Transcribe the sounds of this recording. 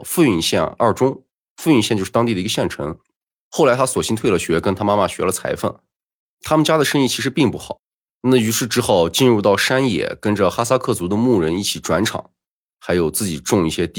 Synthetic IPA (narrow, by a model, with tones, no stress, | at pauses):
fu˥˧y˥˩˧ɕjɛ̰˥˧nɐ̰˞˥˩ʈ͡ʂʊ˥ŋ | fu˥˧y˥˩nɕɛ˥˧t͡ɕjo˥˧ʂ̩˥˩t̪ɑ˥ŋt̪i˥˩əi˧˥ə˧ɕjɛ˥˩nʈ͡ʂʰɤ̰˧˥ŋ | xo˥˩la˧˥ɪt̪ʰa˥swɔ˨˩ɕi˥nt̪ʰwe˥˩ɪlə˩ɕɥɛ˧˥kə˥nt̪ʰa˥ma˥ma˥˧ɕɥɛ˧˥lə˧t͡sʰa̰˧˥ɪfə̰˥˩n | t̪ʰa˥mə˨nt͡ɕja˥d̪ə˨ʂə˥ŋi˥˩t͡ɕʰi˧˥ʂɻ̩˧˥pi˥˧ŋpu˥˩xɑ˨˩˦ | na˥˩y˧˥ʂɻ̩˥˩ʈ͡ʂɻ̩˥xɑ˨˥˩ʊt͡ɕi˥˧nɻu˥˧t̪ɑ˥˩ʊʂa˥njɛ̰˨˩kə˥nʈ͡ʂə˨xa˥sa˥kʰɤ˥˩t͡su˧˥d̪ə˧mu˥˩ɻə˧˥ni˥˩t͡ɕʰi˨˩ʈ͡ʂwa˧˥nʈ͡ʂʰɑ̰˨˩˦ŋ | xa˧˥ɪjo˨˩ʊt͡sɹ̩˥˩t͡ɕi˨˩ʈ͡ʂʊ˥˧ŋi˥˩ɕjɛ˥t̪i˥˩